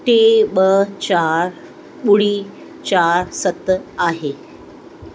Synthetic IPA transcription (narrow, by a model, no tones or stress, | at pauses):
ʈeɓət͡ɕaɾ | ɓuɽiː | t͡ɕaɾsət̪aɦe